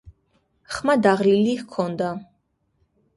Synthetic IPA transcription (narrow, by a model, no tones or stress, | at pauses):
χmad̪aʁlilihkʰɔnd̪a